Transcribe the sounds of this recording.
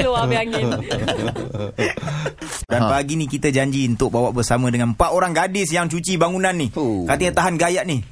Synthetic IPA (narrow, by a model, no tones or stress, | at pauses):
loaaŋɪ | danpaɡinĩkit̪əd͡ʒaɲd͡ʒiunt̪ʊk̚bawaʔbərsamə̃dəŋanmpaʔoɾaŋɡadɪsjaŋt͡ʃut͡ʃibaŋunãnːikat̪əɲat̪aɦanɡajaʔni